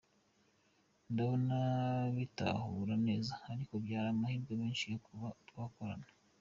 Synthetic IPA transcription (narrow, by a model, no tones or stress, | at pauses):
ndaβonaβita̰huɾane̞ːzaːɾiko̞bjaːɾamahiːɾɡeβeːnʃijotuβakoɾa̰na